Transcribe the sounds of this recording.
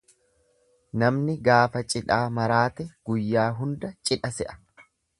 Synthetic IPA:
nɐmnɪɡaːfɐt͡ʃʼɪᶑaːmɐɾaːt̪ɛɡ̥ʊjːaːɦʊnd̪ɐt͡ʃʼɪᶑɐsɛʔɐ̥

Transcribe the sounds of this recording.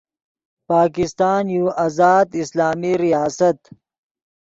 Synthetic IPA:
paːkɪst̪aːnjuʔɐzaːd̪ɪslaːmiɾijaːsɐt̪

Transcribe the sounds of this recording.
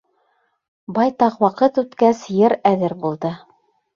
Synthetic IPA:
bɑjt̪ɑqwɑqɤt̪ʉt̪kæsjɘɾæðɘɾbulˠd̪ɤ

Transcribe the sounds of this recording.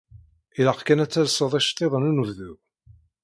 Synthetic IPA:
iləqkænæt͡sːælsˤəðˤæʃt̪ˤːeðˤənunuððu

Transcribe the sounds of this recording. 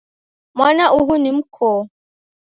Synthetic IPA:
mʷanaʔuɦunɪm̩kʰɔː

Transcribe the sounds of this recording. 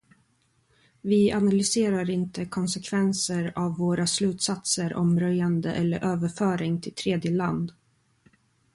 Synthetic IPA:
vɪanalʏseːɾaɾɪnt̪əkʰɔnsɛkʰvɛnsəɾavːoːɾaslʉ̟ːt̪sat̪səɾʔɔ̰mɾœjand̪əʔɛlːə̰ɾʔøːvəɾfœːɾɪŋt̪ʰɪlt̪ʰɾeːd̪jəland̪

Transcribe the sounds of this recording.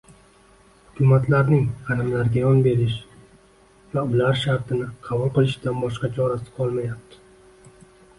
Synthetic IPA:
hʊkʲʰʊmat̪ʰlaɾnɪŋʰɑlɪmlaɾɡʲajɒnbe̞ɾɪʃ | vaʊlaɾʃaɾt̪ʰɪnɪqʰɑbʊlˠqɨlˠɪʃd̪anbɒʃqɑt͡ʃʰɒɾasɪ̥qʰɒlˠmajap̚t̪ʰɪ̥

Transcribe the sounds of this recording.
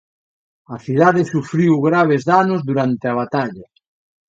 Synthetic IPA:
ɐθiðaðɪsufɾiwɣɾaβ̞ezðanʊzðuɾant̪ɪaβ̞at̪aʎɐ

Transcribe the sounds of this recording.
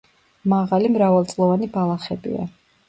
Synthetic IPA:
maʁalimɾavalˠt̪sʼlˠɔvanibalˠaχɛbḭa̰

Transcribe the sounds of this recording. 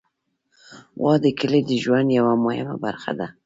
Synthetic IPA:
wɑd̪əkəled̪əʒwand̪jawamohɪma̰baɾxa̰d̪a

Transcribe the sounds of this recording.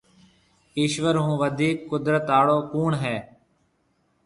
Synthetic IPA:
iːʃʋəɾɦũːʋəd̪ʱiːkːʊd̪ɾət̪aːɽoːkuːɳɦɛː

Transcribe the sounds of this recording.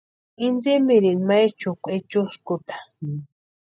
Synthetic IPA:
ind͡zimiɾinmajt͡ʃʊkʷet͡ʃuskʊt̪ḁ

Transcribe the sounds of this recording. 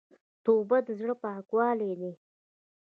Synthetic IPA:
t̪obad̪əzɽəpɑkwɑled̪i

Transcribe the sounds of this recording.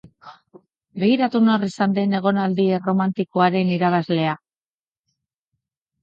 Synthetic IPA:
be̞ɣiɾat̪uno̞risand̪e̞ne̞ɣ̞o̞nald̪iero̞mant̪iko̞aɾe̞niɾaβ̞azle̞a

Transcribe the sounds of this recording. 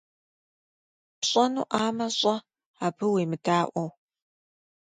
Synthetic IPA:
pɕʼɐnṵːʔaːmɐɕʼɐ | aːbɨweːmɨdaːʔʷɔw

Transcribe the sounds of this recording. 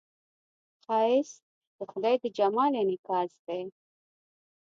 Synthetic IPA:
qɑɪs | d̪̥əxʊd̪ɑjd̪əd͡ʒamɑlenɪkɑsd̪e

